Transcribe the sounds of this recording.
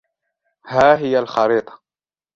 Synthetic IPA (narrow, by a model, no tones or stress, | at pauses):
haːɦɪjalxɑɾiːt̪ˤɑ̥